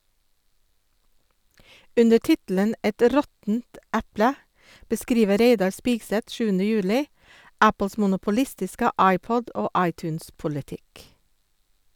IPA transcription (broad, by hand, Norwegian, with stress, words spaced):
ˈʉndə ˈʈɪtl̩ən ˈɛt ˈɾɔtn̩t ˈæplə bəˈskɾiːʋə ˈɾeɪdɑɾ ˈspiːɡsɛt ˈʃʉːənə ˈjʉːlɪ ˈæpl̩s mʊnʊpʊˈlɪstɪskə ˈɑɪˌpɔd ˈoː ˈɑɪˌtʉːnspʊlɪˌtɪk